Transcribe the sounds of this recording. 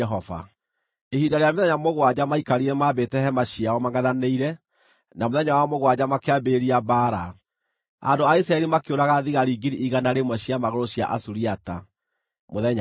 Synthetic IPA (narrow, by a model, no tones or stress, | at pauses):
ɛɦɔva̰ | ehindaɾeameðɛɲamoɣwad͡ʑamaikaɾiɾɛmabetɛhɛmaɕiawɔmaŋɡaðaneiɾɛ | namoðɛɲawamoɣwad͡ʑamakeabeɾiabaːɾa | a̰ndoaisɾaɛɾimakeoɾaɣaðiɣaɾiɡiɾiʔiɣanaɾemwɛɕiamaɣoɾoɕja̰ʔasuɾiata̰ | moðɛɲa